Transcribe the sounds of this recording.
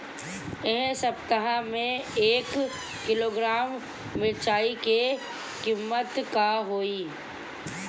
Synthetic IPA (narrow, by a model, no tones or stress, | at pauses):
ẽɦsəbt̪əɦãmẽeːkː | ɪloːɡɾaːmː | ɪɾt͡ʃaːike | kimːət̪kaɦoːiː